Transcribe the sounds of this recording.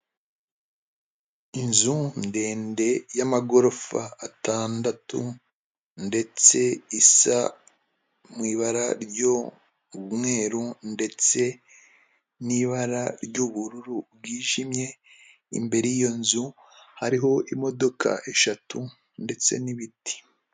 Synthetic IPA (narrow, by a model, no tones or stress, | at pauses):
inzunde̞ːnde̞jamaɡo̞ɾo̞fa̰ːtaːndatu | nde̞t͡se̞isa̰ | mwiːβaɾaɾɟo | umŋe̞ːɾunde̞t͡se̞ | niβaɾaɾɟuβuɾuɾubɡiːʒimje̞ | ḭmbe̞ɾejijo̞nzu | haɾiɦo̞ʔimo̞do̞kʰa̰ʔe̞ʃatu | nde̞t͡se̞̰niβiti̥